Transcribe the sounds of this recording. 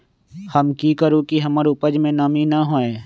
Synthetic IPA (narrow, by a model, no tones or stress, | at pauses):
həmkiːkəɾũkiɦəmaɾupəd͡ʒmẽnɐminəɦoːẽː